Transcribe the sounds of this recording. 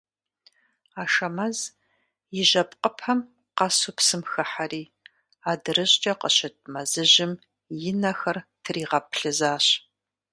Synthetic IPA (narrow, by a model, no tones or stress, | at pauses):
aːʃɐmɐz | jɪʑɐpʼqʼəpʰɐm | qɑsupsɨmxɐħariː | aːdɨrɨɕʼt͡ʃʼɐqəɕɪt̚ʰʼmɐzɨʑɪm | jɪnɐxɐrtʰɨriːʁɐp̚ʰɬɨzaːɕ